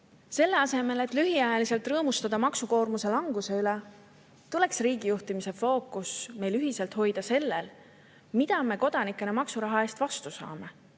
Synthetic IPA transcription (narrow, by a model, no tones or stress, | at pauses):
se̞lːe̞ɑse̞me̞le̞t̪ˑlyɦiɑjɑlise̞lt̪rɤːmust̪ɑd̪̥ɑmɑksuko̞ːrmuse̞lɑŋɡ̥use̞yle | t̪ule̞ksriːɡ̥ijuht̪imise̞fo̞ːkːˑusme̞jlyɦise̞lt̪ho̞jd̪̥ɑse̞lːel | mid̪̥ɑme̞ko̞d̪̥ɑnikːˑe̞nemɑksuɾɑɦɑe̞ːst̪vɑst̪usɑ̰ːme̞